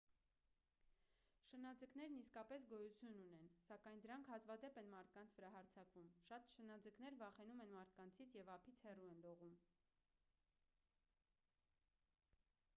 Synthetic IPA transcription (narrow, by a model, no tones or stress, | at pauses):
ʃənɑd͡zəknɛɾniskɑpɛs̬ɡɔjut͡sʰjununɛnsɑkɑjnd̪əɾɑŋkʰhɑt͡svɑd̪ɛpɛnmɑɾt̪̚ʰkɑnt͡sʰvəɾɑɦɑɾt͡sʰɑkvumʃɑt̪ʃənɑd͡zəknɛɾvɑχɛnumɛnmɑɾt̪ʰkɑnt͡sʰit͡sʰjɛvɑpʰit͡sʰhɛruɛnlɔʁum